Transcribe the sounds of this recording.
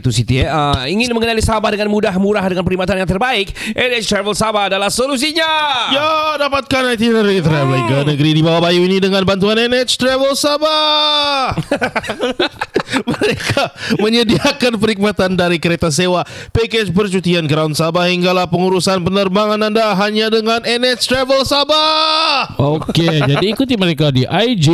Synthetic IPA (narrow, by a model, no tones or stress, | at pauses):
t̪usit̪iɛəiŋɪnməŋənalisabahdəŋanmudaɦmuɾaɦdəŋanpəɾimat̪anjaŋt̪̬ərbaɪkʔɛnɛt͡ʃt̪ɾavəlsabaːdalahsolus̬iɲajadapat̪̚kanat̪inəɾit̪ɾɛvəliŋɡanəɡəɾidibawabajuinidəŋanbant̪uanɛnɛt͡ʃt̪ɾɛvəlsaba | məɾekʰaməɲədiakanpəɾik̚mat̪andaɾikəɾet̪as̬ewapeket͡ʃpərt͡ʃut̪ianɡəɾaunsabahiŋɡalahpəŋuɾusanpənərbaŋanandaɦaɲadəŋanɛnɛt͡ʃt̪ɾɛvəlsaba | ʔoked͡ʒadiːkut̪̬iməɾekadiʔajd͡ʒi